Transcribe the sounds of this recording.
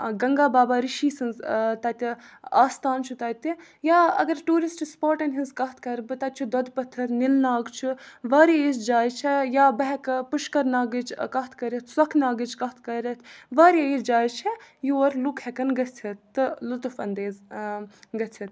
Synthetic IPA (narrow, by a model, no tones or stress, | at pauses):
ɡɐŋɡaːbaːbaːɾiʃiːsɐnzt̪ɐt̪iaːst̪aːnt͡ʃʰut̪ɐt̪i | jaːɐ̰ɡɐɾʈuːɾisʈspoːʈɐnɦizkɐɦt̪ʰkɐɾbɨt̪ɐt̪̚ʲt͡ʃʰud̪ɔd̪pɐt̪ʰːɐɾnilnaːɡt͡ʃʰuʋɐːɾeisd͡ʒaːjt͡ʃʰejaːbɐɦɛkpʊʃkɐɾnaːɡid͡ʒkɐɦt̪ʰkɐɾʲɐt̪ʰsɐkʰnaːɡid͡ʒkɐɦt̪ʰkɐɾʲɐt̪ʰʋɐːɾeisd͡ʒaːjt͡ʃʰejuɐɾlukhɛkɐnɡɐt͡sʰɐt̪ːɨlut̪ufɐnd̪eːz | ɡɐt͡sʰɐt̪̚